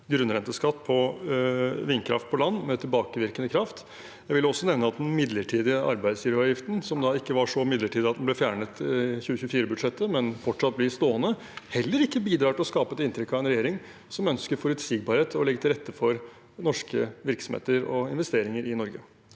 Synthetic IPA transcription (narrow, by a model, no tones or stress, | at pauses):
ɡɾʉnɾɛnt̪əskɑt̪ːpʰɔ | ʋɪnkʰɾɑ̰ft̪̚pʰɔlɑnːmɛt̪ʰɪlbɑːkəʋɪɾkənəkʰɾɑft̪ | jæɪʋɪlːɔsːɔnɛʋnəɑt̪̚d̪nmɪd̪ləʈʰiːd̪ɪəʔɑ̰ɾbæɪd̪sjɪɾɑːʋjɪft̪n̩sɔmd̪ɑɪkːəʋɑʂɔmɪd̪ləʈʰiːd̪ɪɑt̪d̪n̩lɛfjæːɳət̪çʉːəçʉːfiːɾəbʉd̪ʂɛt̪ʰːəmɛnfɔʈʂɑt̪̚blɪst̪oːənə | hɛlːəɾɪkːəbiːd̪ɾɑːʈɪlɔskɑːpəɛt̪ɪnt̪ʰɾɛkːɑɛnɾɛjeːɾɪŋ | sɔmœnskəɾfɔɾʉt̪sɪɡ̚bɑːɾheːt̪ʰɔlɛɡːət̪ʰɪlɾɛt̪ʰːəfɔɾ | nɔʂkəʋɪɾksɔmhḛːt̪əɾɔɪnʋɛst̪eːɾɪŋəɾɪnɔɾɡə